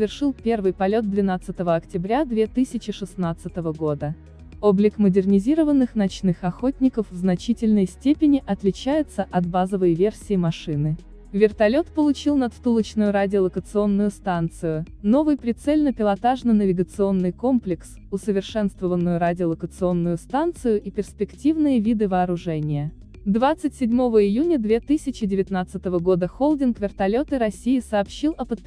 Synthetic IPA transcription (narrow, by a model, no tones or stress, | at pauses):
svʲɪrʂɨlˠpʲe̞rvɨjpɐlʲo̞t̪̚d̪vʲɪnat̪sɨt̪əvəɐktʲɪbɾʲad̪vʲe̞t̪ɨsʲɪt͡ɕɪʂɨsnat̪sɨt̪əvəɡo̞d̪ə | oblʲɪkmədʲɪrnʲɪzʲiɾəvənːɨxnɐt͡ɕnɨxɐxotʲnʲɪkəfvznɐt͡ɕitʲɪlʲnəjsʲtʲepʲɪnʲɪʔɐt̪lʲɪt͡ɕæjɪt̪səʔɐt̪bazəvəjvʲe̞rsʲɪjɪmɐʂɨnɨ | vʲɪrt̪ɐlʲo̞t̪pəlˠʊt͡ɕilˠnɐt̪st̪ulˠət͡ɕnʊjʊɾadʲɪəlˠəkət̪sɨo̞nːʊjʊst̪ant̪sɨjʊ | no̞vɨjpɾʲɪt̪sɛlʲnəpʲɪlˠɐt̪aʐnənəvʲɪɡət̪sɨo̞nːɨjkomplʲɪks | ʊsəvʲɪrʂɛnst̪vəvənːʊjʊɾadʲɪəlˠəkət̪sɨo̞nːʊjʊst̪ant̪sɨjʊʔipʲɪrspʲɪktʲivnɨjəvʲid̪ɨvɐːɾʊʐɛnʲɪjə | d̪vat̪sɨtʲsʲɪdʲmo̞vəɪjunʲəd̪vʲe̞t̪ɨsʲɪt͡ɕɪdʲɪvʲɪt̪nat̪sɨt̪əvəɡo̞d̪əxolˠdʲɪnkvʲɪrt̪ɐlʲo̞t̪ɨɾɐsʲijɪsɐːpɕːilˠɐpət̪̚pʲ